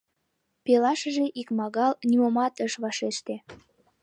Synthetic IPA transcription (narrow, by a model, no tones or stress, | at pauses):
pelɑʃəʒeʔikmɑɣɑlnimomɑt̪əʃβɑʃeʃt̪e